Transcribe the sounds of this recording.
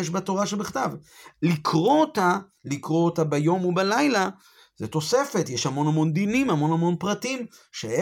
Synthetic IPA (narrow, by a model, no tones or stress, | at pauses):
eʃbato̞ʁaʃebiχt̪avlikʰʁo̞ot̪a | likʁo̞otabejo̞mubalajla | zet̪o̞se̞fe̞t̪jeʃhamo̞nhamo̞nd̪inimhamo̞namo̞npʁatimʃe